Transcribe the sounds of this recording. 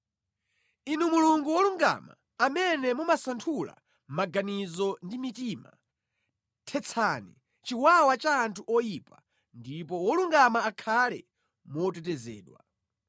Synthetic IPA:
inumuluŋɡuwɔluŋɡa̰ma̰ | amɛnɛmumasantʰula̰ | maɡanizɔndimitima̰ | tʰɛt͡sʰani | t͡ʃiwawat͡ʃaːntʰuʔɔjipa | ndipɔwɔluŋɡamaːkʰalɛ̰ | mɔtɛtɛzɛ̰ːɗwa

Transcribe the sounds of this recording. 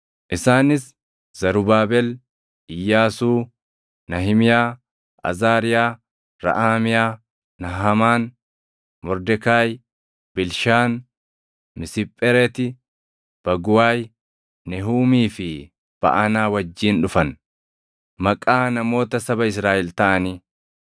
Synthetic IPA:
ʔɪsaːnɪs | zɐɾʊbaːbɛl | ɪjːaːsuː | nɐɦɪmɪjaː | ʔɐ̰zaːɾɪjaː | ɾɐ̰ʔaːmɪjaː | nɐɦɐmaːn | mɔɾd̪ɛkaːj | bɪlʃaːn | mɪsɪpʼːɛɾɛt̪ɪ | b̥ɐɡʊwaːj | nɛɦuːmiːfɪ | b̥ɐ̰ʔɐnaːwɐd͡ʒːiːnᶑʊfɐn | mɐkʼːaːnɐmo̞ːt̪ɐsɐbɐɪs̬ɾaːʔɛlt̪ɐʔɐniː

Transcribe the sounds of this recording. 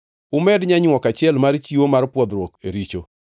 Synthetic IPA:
ʊmɛdɲaɲwɔkat͡ʃɪɛlmart͡ʃiwomaɾpwɔd̪ɾwɔkeɾit͡ʃo

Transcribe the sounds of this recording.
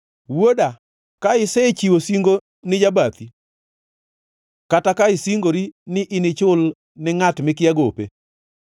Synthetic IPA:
woda | kaɪsɛt͡ʃiwosiŋɡo | nɪd͡ʒabat̪i | katakaɪsiŋɡoɾinɪʔɪnɪt͡ʃʊl | nɪŋatmɪkɪaɡopḛ

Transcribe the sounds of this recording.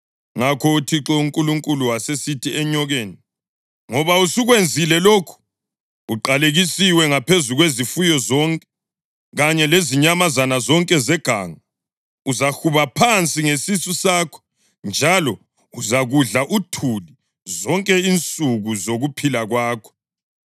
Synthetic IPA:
ŋakʰɔutʰiǁɔuŋkʼuluŋkʼuluwasesitʰiɛɲɔɣeːni | ŋɔβausuɣwend͡zʱilɛlokʰu̥ | uǃaleɣisiwɛŋapʰezuɣwezifujɔzɔŋkʼɛ | ɣaɲɛleziɲamazanazɔŋkʼɛzɛɡ̥ʱa̰ːŋa | uzaxuβapʰant͡sʼiŋesisusaːkʰɔ̥ | nd͡ʒʱalɔ | uzaɣuɮaʔutʰuli | zɔŋkʼɛint͡sʼuɣuzoɣupʰilaɣwaːkʰɔ̥

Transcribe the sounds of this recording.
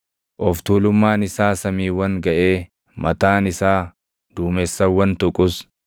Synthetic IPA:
ʔɔft̪uːlʊmːaːnɪsaːsɐmiːwɐŋɡɐʔeː | mɐt̪aːnɪsaː | d̪̥uːmɛsːɐwːɐnt̪ʊkʼʊs

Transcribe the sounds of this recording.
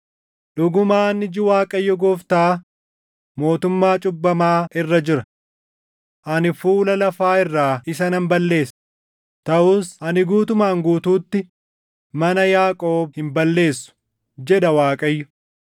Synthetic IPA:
ᶑʊɡʊmaːnɪd͡ʒɪwaːkʼɐjːɔɡɔːft̪aː | mo̞ːt̪ʊmːaːt͡ʃʼʊbːɐmaːʔɪrːɐd͡ʒɪɾɐ | ʔɐnɪfuːlɐlɐfaːɪrːaːɪsɐnɐmbɐlːe̞ːs | t̪ɐʔuːsɐnɪɡuːt̪ʊmaːŋɡuːt̪uːt̪ːɪ | mɐnɐjaːkʼo̞ːbhɪmbɐlːe̞ːsːʊ̥ | d͡ʒɛᶑɐwaːkʼɐjːʊ

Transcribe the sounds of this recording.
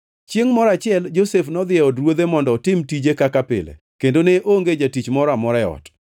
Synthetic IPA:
t͡ʃjeŋmɔɾat͡ʃɪɛld͡ʒosefnɔd̪ɪɛɔdɾwod̪emɔndɔtɪmtid͡ʒekakapɪ̰lḛ | kendoneʔoŋɡed͡ʒatit͡ʃmɔɾamɔɾɛɔ̰t

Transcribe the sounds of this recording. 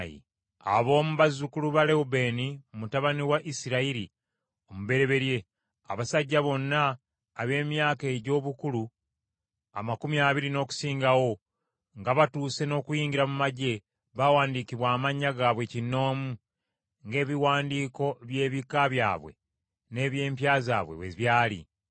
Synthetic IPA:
ḭ | a̰βo̞ːmuβazukuluβale̞ube̞niomutaβaniwaʔisiɾaiɾi | o̞muβe̞ɾe̞βe̞ɾje̞ | a̰βasaɟːaβo̞nːaː | βe̞ːmjaːke̞ːɟo̞ːβukulu | a̰makumiaːβiɾino̞ːku̥siːŋɡawo̞ | ŋɡaβatuːse̞no̞ːkujiːŋɡiɾamumaɟe̞ | βawaːndikiβwaːmaɲːaɡaːβwe̞cinːo̞ːmu | ŋɡe̞ːβiwaːndiːko̞βje̞ːβikaβja̰ːβwe̞̰ | ne̞ːβje̞ːmpjaːza̰ːβwḛwḛβjaːlḭ

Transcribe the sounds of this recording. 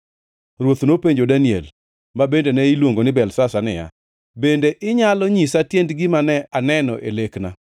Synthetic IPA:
rwot̪nopeɲd͡ʒodaniɛ̰l | mabendenɛilwoŋɡonɪbɛlsasanɪja̰ | bendeʔɪɲalɔɲisatjendɡɪmanɛanɛnɔʔelekna̰

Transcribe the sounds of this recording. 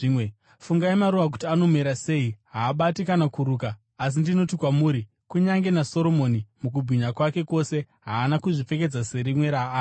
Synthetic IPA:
mwe | fuŋɡaimaɾuʋak̬u̥tiano̞meɾase̞iɦaːɓatikanakuɾuːkaː | s̬indino̞tikwamuːɾi | kuɲaŋɡe̞naso̞ɾo̞mo̞nimuk̬ubʱiɲakwake̞ko̞se̞ | ɦaːnakuʐife̞k̬e̞d͡zase̞ɾimwe̞ɾaː

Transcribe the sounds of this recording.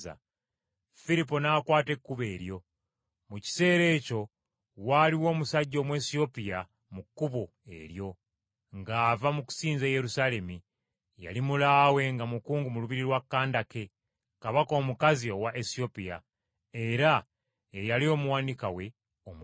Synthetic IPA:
a̰ | filip̬o̞nakwaːte̞kːuβe̞ːɾjo̞ | muci̥se̞ːɾe̞co̞ | waliwo̞ːmusaɟːo̞ːmwe̞ːsio̞pija | mukːuβo | e̞̰ɾjo̞ | ŋɡaːvamuku̥siːnzeːje̞ɾusale̞mi | ja̰limulaːwe̞ŋɡamukuːŋɡumuluβiɾiɾwakːaːndake̞ | kaβako̞ːmukazio̞waʔesio̞pija̰ | e̞ɾa | ejalio̞ːmuwaːnika̰we̞ | om

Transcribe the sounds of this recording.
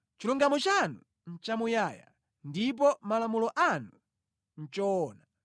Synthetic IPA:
t͡ʃiluŋɡamɔt͡ʃanu | n̩t͡ʃamujaːja̰ | ndip̬ɔmalamulɔʔanu | n̩t͡ʃɔna

